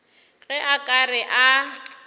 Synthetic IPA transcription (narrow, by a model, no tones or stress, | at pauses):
ɣɛʔakʼarɪʔa